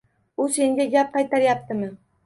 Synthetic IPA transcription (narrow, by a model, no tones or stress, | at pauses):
ʊse̞ŋɡʲaɡʲap̚qɑjt̪ʰaɾjap̚t̪ʰɪmɪ